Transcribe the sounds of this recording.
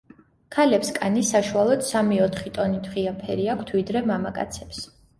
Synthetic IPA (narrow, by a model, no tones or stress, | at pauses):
kʰalɛpskʼanisaʃualˠɔd̪̥samiɔt̪ʰχit̪ʼɔnit̪ʰχiapʰɛɾiakʷʰt̪ʰvid̪ɾɛmamakʼa̰t̪sʰɛ̥ps